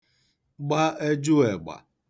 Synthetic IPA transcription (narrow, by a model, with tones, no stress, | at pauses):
ɡ͡ba˦e˦d͡ʒʊ˦e˨ɡ͡ba̰˨